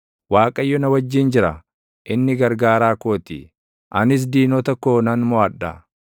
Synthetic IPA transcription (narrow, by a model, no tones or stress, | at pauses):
waːkʼɐjːɔnɐwɐd͡ʒːind͡ʒɪɾɐ | ʔɪnːɪɡɐɾɡaːɾaːkoːt̪ɪ̰ | ʔɐnɪs̬d̪iːnɔt̪ɐkːoːnɐnmɔɐᶑːɐ